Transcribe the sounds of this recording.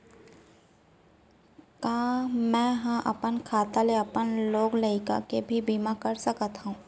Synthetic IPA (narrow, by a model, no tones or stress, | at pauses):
kaːmɛ̃ɦãʔɐ̰pənkʰaːt̪aleɐpənloːɡləɪka̰kebʱibiːmakɐɾsəkət̪ɦũː